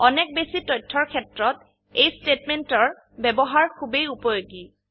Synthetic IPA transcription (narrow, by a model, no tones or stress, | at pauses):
ɔnɛk̚besitɔjtʰːɔɹkʰɛtɹɔt | ejstetmɛntɔɹ | bɛbɔɦaɹkʰubejupɔjoɡi